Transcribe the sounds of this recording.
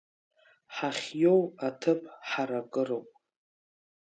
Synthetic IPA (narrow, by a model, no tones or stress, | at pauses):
ħaχʲjo̞watʰɨpʰʼħaɾakʼɨrowpʼ